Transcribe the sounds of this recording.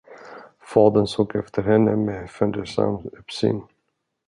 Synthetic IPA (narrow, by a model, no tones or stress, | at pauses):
fɑːd̪ənsoːɡɛft̪ʰəɾhɛnːəmefɛnd̪əʂa̰mɵpsy̰ːn